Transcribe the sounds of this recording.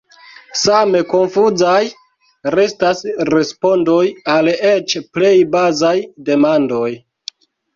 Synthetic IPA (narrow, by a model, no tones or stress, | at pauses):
same̞ko̞nfuzaj | ɾe̞stasɾe̞spo̞ndojale̞t͡ʃple̞jbazajde̞mando̞j